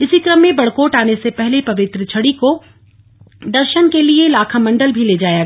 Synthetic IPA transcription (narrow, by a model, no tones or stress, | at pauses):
ɪsikɾəmːẽbɐɽkoːʈaːnesepɛɦlepɐʋɪt̪ɾət͡ʃʰɐɽiko | d̪ɐɾʃənkelielaːkʰamɐ̃ɳɖəlbʱileːd͡ʒaːjaɡ